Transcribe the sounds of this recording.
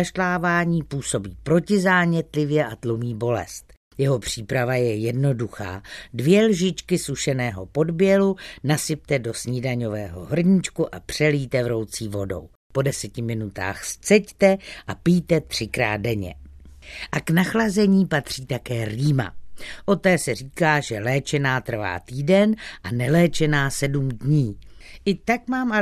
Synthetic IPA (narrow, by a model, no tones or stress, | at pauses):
aʃlaːvaːɲiːpuːso̞biːpɾo̞cɪzaːɲɛt̪lɪvjɛʔat̪lomiːbo̞lɛ̰st̪ | jɛɦo̞pr̝̥iːpɾavajɛjɛdno̞duxa̰ːdvjɛlʒɪt͡ʃkɪsuʃɛnɛːɦo̞po̞dbjɛlunasɪp̚t̪ɛdo̞sɲidaɲo̞vɛːɦo̞̰ɦr̩ɲit͡ʃkuʔapr̝̥ɛliːt̪ɛvɾo̞wt͡siːvo̞do̞̰w | po̞dɛsɛcɪmɪnut̪a̰ːxst͡sɛct̪ɛʔapiːt̪ɛt̪r̝̥ɪkɾa̰ːt̪̚dɛɲɛ̰ | ʔaknaxlazɛɲiːpat̪r̝̥iːt̪akɛːɾiːma̰ʔo̞t̪ɛːsɛr̝iːkaːʒɛlɛːt͡ʃɛnaːt̪r̩va̰ːt̪iːdɛnʔanɛlɛːt͡ʃɛnaːsɛdumdɲiːʔɪt̪akmaːmʔa